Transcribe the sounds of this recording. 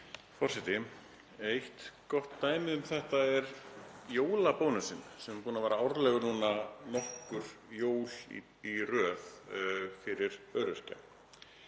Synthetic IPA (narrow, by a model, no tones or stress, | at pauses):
fɔr̥sɛt̪ɪ | ejht̪kɔht̪ːaːjmɪðʏmθɛht̪aɛɾjoːwlapownʏsɪnsɛmpuːnavaːɾaɔwɾlɛːɣʏnuːnanɔhkʏɾ̥joːwlḭ | irœːθfɪɾɪɾœːɾʏst̪a̰